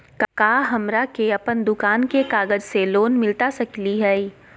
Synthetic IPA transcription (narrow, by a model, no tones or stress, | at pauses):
kkaːɦɐmɾakeɐpənd̪ʊkaːnkekaːɡəd͡ʒseloːnmɪlt̪asɐkliɦɛː